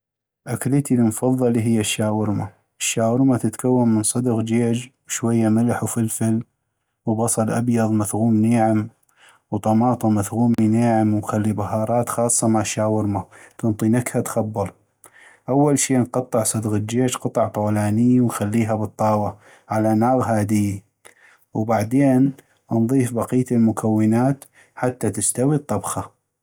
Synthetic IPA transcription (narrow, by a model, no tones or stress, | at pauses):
ʔaklit̪ilmʊfɑðˤːɑliɦɪjːaʃːaːwɪɾma | ʔɪʃːaːwɪɾmat̪ɪt̪kawːamːənsˤɨd̪ɣd͡ʒeːd͡ʒwʃwajːamɪlħufɪlfɪl | wbɑsˤɑlʔa̰bjɑðˤmaθɣuːmneːʕɪm | wt̪ˤɑmɑːt̪ˤumaθɣuːmineːʕɪmwnxalːibaɦɑːɾˤɑːt̪xɑːsˤːɑmaʕʃːaːwɪɾmat̪ʊnt̪ˤinakhat̪xɑbːɑɾˤ | ʔawːalʃiːnqɑt̪ˤːɨʕsˤɑd̪ɣat̪̚d͡ʒeːd͡ʒqɑt̪ˤɑʕt̪ˤoːlaːnɪjːwnxalːiːɦabɨt̪ˤːɑːwa | ʕalanaːɣɦaːd̪ɪj | wbaʕd̪eːn | ʔnðˤiːfbɑqiːt̪ɪlmʊkʰawːɪnaːt̪ | ħat̪ːat̪ɪst̪awit̪ˤːɑbxa